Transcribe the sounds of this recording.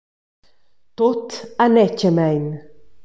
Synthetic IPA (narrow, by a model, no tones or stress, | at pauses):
t̪ot̪ʰanɛcəmɛjn